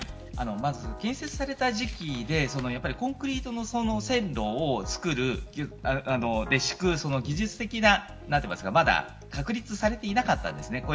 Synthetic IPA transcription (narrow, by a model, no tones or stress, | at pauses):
a̰no̞mazɨkẽ̞ɰ̃se̞t͡sɨ̥saɾe̞t̪aʑikʲid̪e̞so̞no̞japːaɾʲikõ̞ŋkɯ̟ɾʲiːt̪o̞no̞so̞no̞sẽ̞nɾo̞ːt͡sɨ̥kɯ̟ɾɯ̟ | ano̞d̪e̞ɕi̥kɯ̟so̞no̞ɡʲiʑɨt͡sɨ̥t̪e̞kʲina | nat̪ːemasɨɡamad̪a̰ | kakɯ̟ɾʲit͡sɨsaɾe̞t̪e̞inakat̪ːã̰nd̪e̞sɨneko